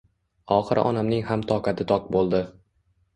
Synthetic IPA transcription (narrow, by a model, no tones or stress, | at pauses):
ɒχɨɾ̰ʔɒ̰namnɪŋhamt̪ʰɒqat̪ʰɪt̪ʰɒq̚bolˠd̪ɪ